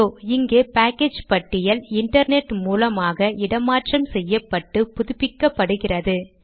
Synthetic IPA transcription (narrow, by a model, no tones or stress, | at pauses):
oːɪŋɡeːpaːkeːd͡ʒpɐʈːɪjɐlɪɳʈɐɾneʈmuːlɐmaːɣɐɪɽɐmaːʈrɐmsɛjːɐpːɐʈːɯpʊðʊpːɪkːɐpːɐɽɯɣɪrɐðɯ